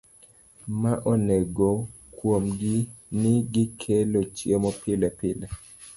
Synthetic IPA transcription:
maʔɔneɡo | kwomɡɪnɪɡikʰelot͡ʃjemɔpɪlɛpɪlɛ

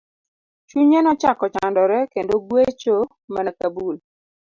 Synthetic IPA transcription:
t͡ʃuɲenɔt͡ʃakɔt͡ʃandɔɾɛkendoɡwet͡ʃo | manakabul

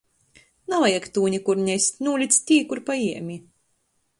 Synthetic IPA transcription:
nalajɛkt̪uːnʲikuɾɲʲɛsʲt̪ʲnuːlʲit̪st̪ʲiːkuɾpajiɛmʲi

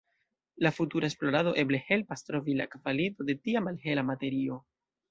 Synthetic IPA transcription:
lafutuɾaesplo̞ɾado̞ʔe̞ble̞he̞lpastɾo̞vila̰kvalito̞de̞tiamalɦe̞lamate̞ɾio̞

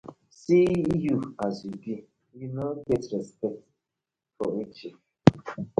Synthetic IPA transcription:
sijuazjuɡi | junoɡɛtɾɛspɛk̚t | fɔit͡ʃi

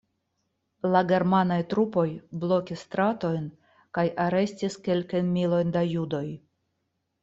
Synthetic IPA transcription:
laɡe̞ɾmanajtɾupo̞jblo̞kʲist̪ɾato̞jn | kajʔaɾe̞stiske̞lkajnmilo̞jndajudo̞j

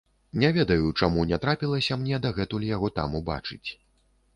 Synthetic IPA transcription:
nʲɛvʲɛd̪ɐjut͡ʂamunʲɛt̪ɾapʲilˠɐsʲɐmnʲɛd̪ɐɣɛt̪ulʲijaɣɔt̪a̰muba̰t͡ʂɨt͡sʲ

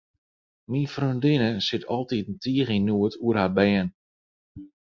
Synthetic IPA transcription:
minfrøndɪnəsɪtʰɔlˠtitn̩tʰiːəɣinuətʰuərhabɛːn

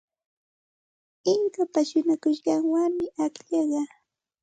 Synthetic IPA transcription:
ɪŋkapaʃʊnakʊʃɢɑŋwamɪakʎɑɢɑ

